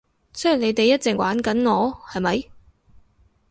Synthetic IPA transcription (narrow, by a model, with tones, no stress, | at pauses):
sɵ˨˥ji˨˩le˨˧jt̪e˨jːɐ˥t̚t͡sɪ˨ŋwʔaː˨˥nkɐ˨˥nŋɔː˨˧hɐ˨jmɐ˨˧j